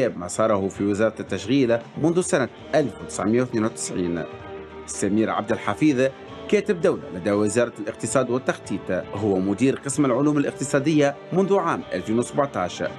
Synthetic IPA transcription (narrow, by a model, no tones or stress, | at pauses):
ɛːbmasˤɑːɾˤɑhʊfiwɪzɑːɾˤɑt̪ːaʃɣiːlamʊnðusana | ʔalfwɪt̪ɪ̥sʕmɪjːawθneːnwt̪ɪ̥sʕiːn | ɪsːæmiːɾʕa̰b̚d̪ɪlħafiːð | kɛːt̪ɪb̚d̪awla̰læd̪æwɪzɑːɾˤɑlʔɪq̚t̪ɨsˤɑːd̪wɪt̪ːaxt̪ˤiːt̪ɦʊwːamʊd̪iːɾqɨsmɪlʕʊluːmɪlʔɪq̚t̪ɨsˤɑːd̪ɪjːa | mʊnðuʕaːmʔa̰lfiːnwsabʕt̪ˤɑʕʃ